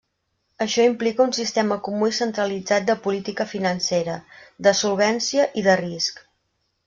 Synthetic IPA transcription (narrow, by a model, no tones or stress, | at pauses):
əʃɔimplikəunsist̪ɛməkumuisənt̪ɾəlid͡zat̪̚d̪əpulit̪ikəfinənseɾəd̪əsulˠβ̞ɛnsiəʔiðərisk